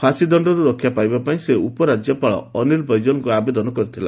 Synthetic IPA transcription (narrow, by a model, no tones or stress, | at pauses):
kʰasid̪ɔɳɖɔɾuɾɔkʰːjapajbapaĩseupɔɾad͡ʒjɔpaɭɔ̰ːniɾbʱɔjd͡ʒɔnɔkuabed̪ɔnɔkɔɾit̪ʰila̰